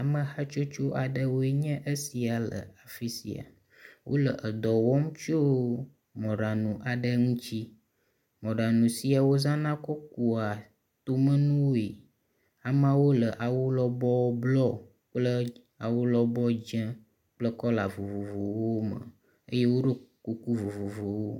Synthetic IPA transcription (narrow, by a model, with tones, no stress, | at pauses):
a˨mə̃˨ha˦t͡ʃo˦t͡ʃo˦ʔa˨ɖə˦wo˦e˦ɲɛ̃˦ʔə˦si˨a˨lə̰˨a˨fi˦sḭ˨a̰˨ | wʔo̰˦lə˨ʔə˨d̪ɔ˨wɔ˦m˦t͡ʃo˦ | mɔ̃˨ɖa˨nũ˨ʔa˨ɖə˦ŋũ˦t͡ɕi˦ | mɔ̃˨ɖa˨nũ˨si˨a˨wo˦zã˦nã˦kɔ˦k̚u˨a˨ | t̪o˦mə̃˦nũ˦wo˦e˨ | a˨mã˦wo˦lə˨ʔa˨wu˦lɔ˦bɔ˦blɔ˦ | k͡plə˦ | a˨wu˦lɔ˦bɔ˦d͡ʒɛ̃˦ | k͡plə˦kɔ˦la˨vo˨vo˨vo˨wo˦mə̰˨ | ə˦je˦wo˦ɖə˦ku˨ku˦vo˨vo˨vo˨wo˦